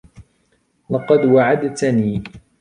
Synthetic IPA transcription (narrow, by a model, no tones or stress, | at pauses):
lɑqɑd̪waʕad̪t̪niː